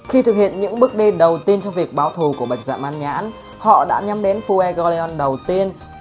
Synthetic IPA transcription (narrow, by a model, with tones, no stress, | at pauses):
xi˧t̪ɨ˨˩k̚hḭ˧˨ənɲɨ̰˧˥ŋɓɨ˦˥ək̚ɗi˧ɗə˨˩wt̪i˧ənt͡ɕɔ˧wŋ͡mvi˨˩ək̚ɓaː˨˦wt̪ʰu˨˩ku˧˩əɓa˨˩jk̟̚za̰ː˧˩mʔaː˧nɲa̰ː˧˥n | hɔ̰˧˨ɗa̰ː˧˥ɲa˨˦mɗe˨˦nfu˧ʔɛ˧ɣɔ˧li˧ɔ˧nɗə˨˩wt̪i˧ən